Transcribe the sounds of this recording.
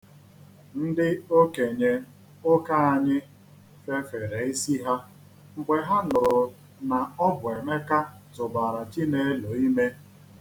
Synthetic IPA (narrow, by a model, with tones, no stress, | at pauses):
n̩˦dɪ˦o˦ke˨ɲe˨ | ʊ˦ka˦a˨ɲɪ˦ | fe˦fe˨ɾe˨i˦si˦ɦa˦ | ŋ͡m̩˨ɡ͡be˨ɦa˦nʊ˨ɾʊ˨ | na˨ɔ˦bʊ˨e˨me˦ka˦ | tʊ˨ba˨ɾa˨ti˦ne˦e˦lo˨i˦me˦